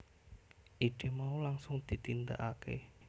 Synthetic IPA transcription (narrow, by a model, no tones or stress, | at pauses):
ʔiɖ̪̥e̤maulaŋsʊŋd̪̥i̤t̪ind̪a̰ʔakḛ